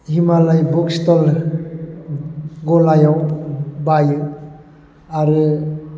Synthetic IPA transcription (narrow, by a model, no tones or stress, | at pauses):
himalajbɔkstɔl | ɡɔlajawbajɯ | aɾɯ